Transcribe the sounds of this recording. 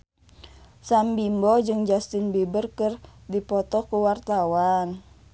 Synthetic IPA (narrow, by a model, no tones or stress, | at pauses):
sambimbɔd͡ʒɨŋd͡ʒast̪inbibərkɨrdipɔt̪ɔkuwart̪awan